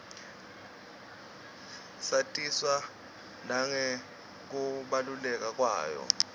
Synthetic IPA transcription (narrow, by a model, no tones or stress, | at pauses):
satʼiswa | naŋɛ | k̬uɓalulɛk̬ʼak̬ʼwa̰ːjɔ̰